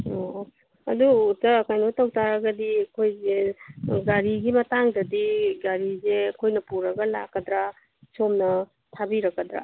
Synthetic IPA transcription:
o | ɐ̰duːtɐːkajnotɐwtaɾɐɡɐdiɐkʰojzeɡaɾiɡimɐtaŋdɐdiɡaɾizeɐkʰojnɐpuɾɐɡɐla̰kːɐdɾa | somnɐ | tʰabiɾɐkːɐdɾa̰

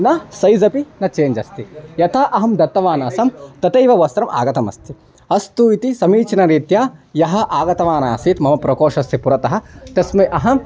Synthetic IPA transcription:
nɐsɐjzɐpinɐt͡ʃeːɲd͡ʒɐst̪ijɐt̪ʰɐʔɐɦɐmd̪ɐt̪ːɐʋaːnasɐmt̪ɐt̪ɐjʋɐʋɐst̪ɾɐmʔa̰ːɡɐt̪ɐmɐ̰st̪ʰi | ɐst̪uit̪isɐmiːt͡ʃɐnɐɾiːt̪jaːjɐɦɐ̆ʔaːɡɐt̪ɐʋaːnaːsit̪mɐmɐpɾɐkoːʃɐst̪ipuɾɐt̪ɐɦɐ̆t̪ɐsmɐjʔɐɦɐm

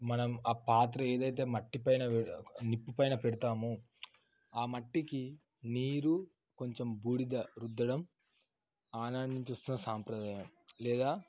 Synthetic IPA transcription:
mɐnɐmaːpaːt̪̬ɾɐe̞ːd̪ɐjt̪̬e̞ːmɐʈːipɐjnɐʋenipːupɐjnɐpeɽit̪aːmu | aːmɐʈːiki | niːɾu | ko̞ɲt͡ʃe̞mbuːɽid̪ɐɾud̪ːɐɽɐm | aːnaːɳɖiɲt͡ʃɐst̪unːɐsaːmpɾɐd̪aːjɐmlɛːd̪aː

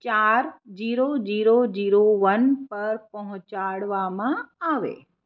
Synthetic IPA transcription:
t͡ɕaːɾd͡ʑiːɾod͡ʑiːɾod͡ʑiːɾoʋɐnpɐɾpɐɦʊt͡ɕaːɽʋamãaːʋḛː

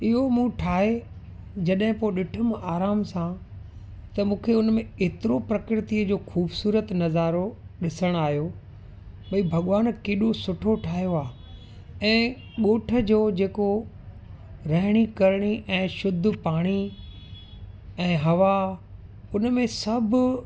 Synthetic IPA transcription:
ɪɦomũːʈʰaːɦe | d͡ʑɐɗɦɪ̃poːɗɪʈʰəmaːɾaːmsã | t̪ɐmũːkʰeʊnmẽeːt̪ɪɾopɾɐkɾɪt̪iəd͡ʑoːxuːbsuːɾət̪nɐzaːɾoɗɪsəɽ̃aːɦijo | ɓɐibʱɐɠʋaːnkeːɗosʊʈʰoʈʰaːɦjoaː | ɛ̃ː | ɠoːʈʰə̆d͡ʑoːd͡ʑeːko | ɾɐɦɪɽ̃ikɐɾɽ̃iʔɛ̃ːʃʊd̪ʱːpaːɽ̃i | ɛ̃ːɦɐʋa | ʊnmẽsɐbʱ

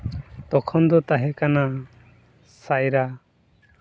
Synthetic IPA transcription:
t̪ɔkʰɔnd̪ɔt̪aɦɛkana | sajɾa

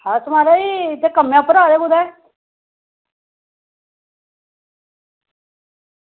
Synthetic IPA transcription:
hãt̪ʊmaːɾaiːt̪ekəmːjãpəɾaːɾeːɡʊd̪ɛː

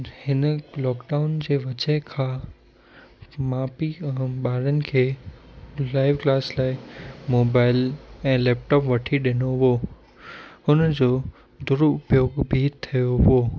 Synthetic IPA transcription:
hɪnəlɔːkɖaːʊnd͡ʑeːʋɐt͡ɕəɦkʰãː | maːpiɓaːɾənɪ̆kʰeː | laːɪʋklaːslaːɪmoːbaːɪlɛ̃ːlɛːpʈɔːpʋɐʈʰiɗɪnoɦʊo | ʊnd͡ʑoː | d̪ʊɾʊpjoːɡbʱiːt̪ʰijoɦʊoː

